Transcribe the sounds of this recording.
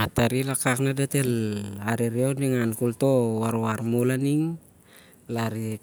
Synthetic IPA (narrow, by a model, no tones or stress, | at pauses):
at̪aɾilakaknadet̪elaɾiɾiondiŋankult̪owaɾuaɾmolaniŋ | laɾi